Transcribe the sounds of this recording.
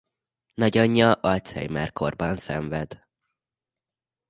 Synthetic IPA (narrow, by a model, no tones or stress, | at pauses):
nɒɟɒɲːɒʔɒt̪sɛ̰jmɛ̰rko̞̰rbɒnsɛɱvɛd̪